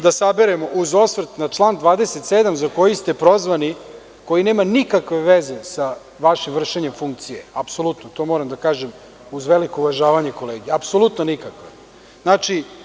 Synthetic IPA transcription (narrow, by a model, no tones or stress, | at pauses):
d̪asabeɾemo̞ʔuzo̞sʋrt̪nat͡ʂlˠaːnd̪ʋaːd̪eset̪seːd̪amzako̞jist̪epɾo̞zʋani | ko̞jine̞ːmanikakʋe̞ʋeze̞sa | ʋaʃimvr̩ʃeɲe̞mfuŋk̚t̪sijeapso̞lˠut̪not̪o̞moɾamd̪akaːʒem | uzʋelikouʋaʒaːʋaɲe̞ko̞leːɡijeapsolˠut̪nonikakʋe | znaːt͡ʃi